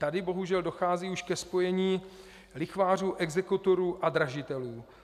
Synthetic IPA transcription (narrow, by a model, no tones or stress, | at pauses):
t̪adɪbo̞ɦuʒɛldo̞xaːziːuʃkɛspo̞jɛɲiː | lɪxvaːr̝uːʔɛɡzɛkut̪oɾuːʔad̪ɾaʒɪt̪ɛluː